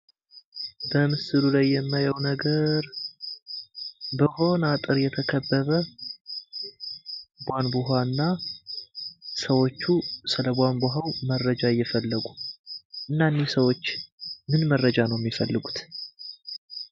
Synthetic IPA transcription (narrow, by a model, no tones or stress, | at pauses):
bəmɨsɨlulajːɛmːajəwnəɡəɾ | bəho̞nat̪ʼɨɾjɛt̪ʰəkʰəbːəβə | bʷanbɨɦanːa | səwo̞t͡ʃːusɨləbʷanboɦawmərːəd͡ʒajːɛfəlːəɡuʔɨnːanːisəwo̞t͡ʃːmɨnmərːəd͡ʒanəwjɛmːifəlːɨɡut̪